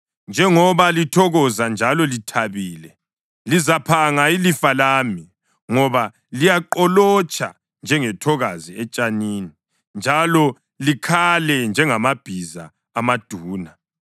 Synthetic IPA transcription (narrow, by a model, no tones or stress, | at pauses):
nd͡ʒʱɛŋɔβalitʰɔɣɔzand͡ʒʱalɔlitʰaβiːlɛ | lizapʰaŋailifalaːmi | ŋɔβa | lijaǃɔlɔt͡ʃʼʰa̰ | nd͡ʒʱɛŋɛtʰɔɣaziɛt͡ʃʼaniːni | nd͡ʒʱalɔ | likʰalɛnd͡ʒʱɛŋamab̥ʱiza̰ː | mad̥ʱuːna